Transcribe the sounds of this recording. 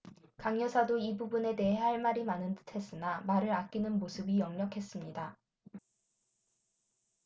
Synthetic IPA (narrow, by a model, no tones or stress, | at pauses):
kaŋjʌsʰadoibubune̞de̞ɦe̞ɦaɭmaɾimanɯntɯ̥tʰe̞s͈ɯnamaɾɯɾak͈inɯnmosʰɯbijʌŋɲʌkʰe̞s͈ɯmɲida